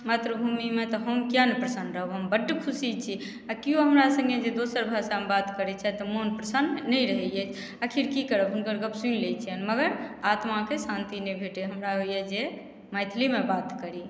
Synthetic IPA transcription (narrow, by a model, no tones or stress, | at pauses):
mat̪ɾəbʱumimet̪ɔɦəmkjanpɾəsənɖɾəɦoɦəmbəɖːkʰusit͡ʃʰi | akioɦəmɾasə̃ŋɡed͡ʒed̪osəɾbʱasamebat̪kəɾɛt͡ʃʰat̪ɔmonpɾəsənnəjɾəɦɛjɛt͡ʃʰ | əkʰiɾkikəɾəbɦunkəɾɡəbsunlet͡ʃʰiənməɡəɾat̪makesãnt̪inebʱeʈeɦəmɾaɦojed͡ʒe | majt̪ʰlimebat̪kəɾi